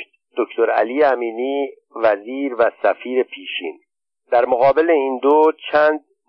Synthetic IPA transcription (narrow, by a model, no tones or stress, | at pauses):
d̪̥oct̪ʰoɾæ̰lijæmiːniː | væziːɾvæsæfiːɾe̞pʰiːʃiːn | d̪̥æɾmoɣɒːbe̞leind̪ot͡ʃʰæːnd̪̚